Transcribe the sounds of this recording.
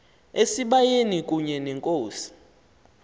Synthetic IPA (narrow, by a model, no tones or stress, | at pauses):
esiɓajenik̬ʼuɲɛnɛŋkʼoːsi̥